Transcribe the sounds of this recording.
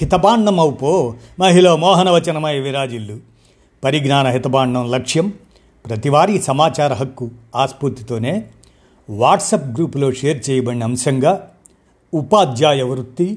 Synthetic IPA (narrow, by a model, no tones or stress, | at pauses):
hit̪ɐbaːɳːɐmɐwpoːmɐɦilɐmɔːɦɐnɐʋɐt͡ʃɐnɐmɐjɐʋiɾaːd͡ʒilːu | pɐɾiɡnaːnɐɦit̪ɐbaːɳːɐmlɐkʂjɐm | pɾɐt̪iʋaːɾiːsɐmaːt͡ʃaːɾɐɦɐkːuaːspuɾt̪ːit̪o̞ːne̞ː | ʋaːʈsɐp̚ɡɾuːpulo̞ːʂeːɾt͡ʃɛːjɐbɐɳːiɐmsɐŋɡaː | upaːd̪jaːjɐʋɾut̪ːi